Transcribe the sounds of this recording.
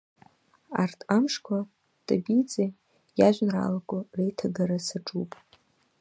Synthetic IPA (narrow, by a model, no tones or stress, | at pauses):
a̰rtʰʼamʂkʷʰa | tʼabit͡sʼe | jaʒʷᶣnra̰lakʼʊrejtʰaɡaɾasaʈ͡ʂʼupʼ